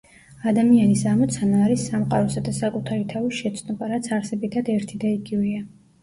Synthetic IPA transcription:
ad̪amianisamɔt̪sʰanaːɾisːamqʼaɾɔsad̪asakʼut̪ʰaɾit̪ʰavisʃɛt̪sʰnɔbaɾat̪sʰaɾsɛbit̪ʰad̪ɛɾt̪ʰid̪aiɡivia

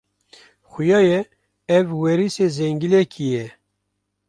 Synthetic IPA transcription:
xʊjɑːjɛ | ɛvwɛɾisezɛŋɡilɛkʰijɛ

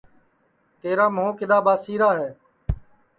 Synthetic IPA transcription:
t̪eːɾaːmõːkɪd̪aːbaːsiːɾaːɦɛː

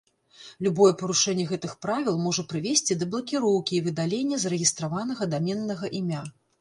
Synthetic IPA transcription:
lʲubɔjɛpɐɾuʂɛnʲːɛɣɛt̪ɨxpɾavʲilˠmɔʐɐpɾɨvʲesʲt͡sʲid̪ɐblˠɐkʲiɾɔwkʲiːvɨd̪alʲenʲːɐzɐɾɛɣʲist̪ɾavanɐɣɐd̪amʲɛnːɐɣɐʔimʲa

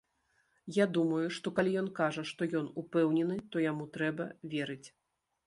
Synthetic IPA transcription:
jad̪umɐjuʂt̪ɔkalʲijɔnkaʐɐʂt̪ɔjɔnupɛwnʲɛnɨt̪ɔjamut̪ɾɛbɐvʲeɛɾɨt͡sʲ

